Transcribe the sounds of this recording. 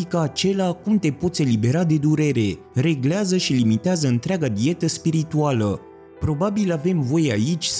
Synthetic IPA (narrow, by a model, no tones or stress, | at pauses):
ikəat͡ʃe̞lakumt̪e̞po̞t̪sʲe̞libe̞ɾad̪e̞d̪uɾe̞ɾe̞ | ɾe̞ɡleazəʃilimit̪eazəɨnt̪ɾeaɡad̪ie̞t̪əspiɾit̪ualə | pɾo̞babilave̞mvo̞jea̰it͡ʃʲs